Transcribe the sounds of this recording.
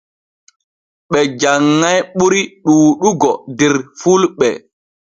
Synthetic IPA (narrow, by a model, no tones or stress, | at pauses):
ɓɛd͡ʒaŋːajɓuɾiɗuːɗuɡɔdɛɾfulɓɛ